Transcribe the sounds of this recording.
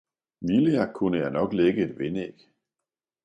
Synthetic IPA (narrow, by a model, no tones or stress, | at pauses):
ʋiliækʰunəjɑ̈ɪnɒ̽ɡ̥leɡ̥əe̝nʋeneɡ̥